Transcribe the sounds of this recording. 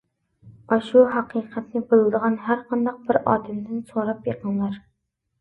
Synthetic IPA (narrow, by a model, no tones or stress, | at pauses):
ɒʃuɦɑqɨqʰæt̪nɪbɪlˠd̪ɨʁɑnɦæɾqʰɑnd̪ɑq̚bɪɾɒ̰ːd̪ɪmd̪ɪnsoɾɑpjeqɨnlˠɑɾ